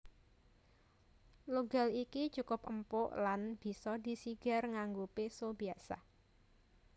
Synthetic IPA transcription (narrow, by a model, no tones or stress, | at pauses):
luɡa̤likit͡ʃukʊpə̰mpʊʔlanb̥i̤sɔd̪i̤siɡ̥a̤rŋaŋɡupesobiasa̰